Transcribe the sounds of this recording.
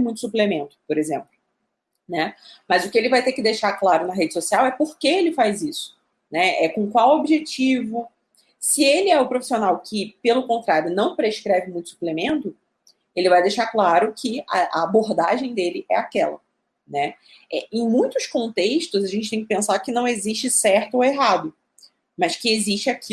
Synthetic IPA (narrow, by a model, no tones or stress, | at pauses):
mũj̃t̪ʊsuplemẽnt̪ʊ̥poɾezẽmplʊ | nɛmɐzʊkɪelɪvajt̪ekɪd̪ejʃaklaɾʊnɐɦed͡ʒɪsosiawɛpoɾkeelɪfajzisʊ̥ | nɛɛkõkwawobiʒet͡ʃivʊ | sɪelɪɛʊpɾofi̥sionawkʰɪpelʊkõnt̪ɾaɾjʊnɐ̃w̃pɾeʃkɾɛvɪmũj̃t̪ʊ̥su̥plemẽnt̪ʊ | elɪvajd̪ejʃaɾklaɾʊkʰɪɐʔɐ̰aboɾd̪aʒẽj̃d̪elɪʔɛakɛlɐ̰ | nɛ | ɛẽj̃mũj̃t̪ʊskõnt̪eʃt̪ʊzɐʒẽnt͡ʃɪt̪ẽj̃kɪpẽsakɪnɐ̃w̃eziʃt͡ʃɪsɛɾt̪ʊoeɦad̪ʊ | mɐskɪeziʃt͡ʃɪakʰi